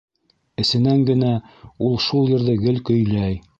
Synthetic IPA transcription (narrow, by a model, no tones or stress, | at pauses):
ɘ̆sɘ̆næŋɡɘ̆næulˠʃulˠjɘ̆ɾðɘɡɘlkɵ̆jlæj